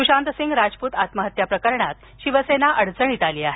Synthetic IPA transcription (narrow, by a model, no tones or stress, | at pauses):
kuɕant̪əsiŋɡɾad͡zpuːt̪at̪məɦət̪japɾəkəɾɳat̪ | ɕiʋəsenaʔəɽt͡səɳ̃it̪aliːaɦe